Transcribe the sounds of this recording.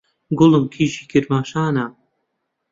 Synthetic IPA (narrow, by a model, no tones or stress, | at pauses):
ɡʊlɨmkʰiːʃiːkʰɪɾmaːʃaːna